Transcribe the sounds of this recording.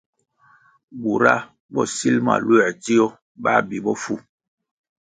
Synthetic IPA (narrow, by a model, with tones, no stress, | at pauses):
bu˨ɾa˦ | bɔ˦si˦lma̰˨lwɛ˨d͡ʒi˦ɔ˦ | ɓa˦˨bi˨bɔ˦fu˦